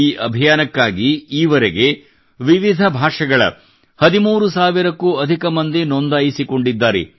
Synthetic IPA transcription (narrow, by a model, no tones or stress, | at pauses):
iːʔɐbʱijaːnɐkːaːɡiiːʋɐɾeɡe | ʋiʋid̪ʱɐbʱaːʂɐɡɐɭɐ̰ | hɐd̪imuːɾusaːʋiɾɐkːuːɐd̪ʱikɐmɐnd̪inond̪aːjisiko̞ɳɖid̪ːaːɾḛ